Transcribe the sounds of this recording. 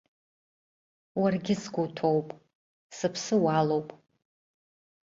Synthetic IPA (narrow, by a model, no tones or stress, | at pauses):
warɡʲɪsɡʷutʰowpʼ | sɨpʰsɨwalo̞wpʼ